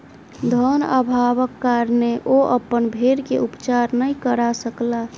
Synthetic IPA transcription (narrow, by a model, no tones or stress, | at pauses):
d̪ʱəna̰bʱaβəkːaɾneʔoʔəpənbʱeɾkeupt͡ʃaɾnəjkəɾasəkla